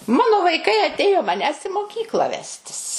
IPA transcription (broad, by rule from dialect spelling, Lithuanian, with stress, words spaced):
ˈmɑːnoː ʋɐɪˈkɐɪ ɐˈtʲeːjoː mɐˈnʲæːs ɪ moːˈkʲiːklˠɐ ˈʋʲæːsʲtʲɪs